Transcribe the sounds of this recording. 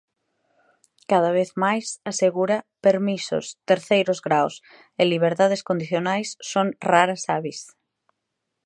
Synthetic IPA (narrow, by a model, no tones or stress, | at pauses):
kað̞aβ̞eθmajsaseɣuɾapeɾmisʊ̰st̪eɾθejɾʊzɣɾaws | ɪliβ̞eɾt̪að̞eskond̪iθjonajsːoŋraɾasaβis